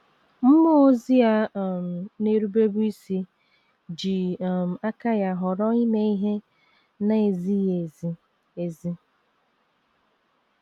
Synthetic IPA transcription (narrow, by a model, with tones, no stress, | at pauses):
m̩˦mʊ˦o˦zi˦a˦˨m̩˨ne˦ɾu˦be˦bu˦i˦si˦ | d͡ʒi˨m̩˨a˦ka˦ja˨ɦʊ˨ɾɔ˦i˦me˦i˦ɦe˦ | na˦e˨zi˦je˨zi˦ | e˨zi˦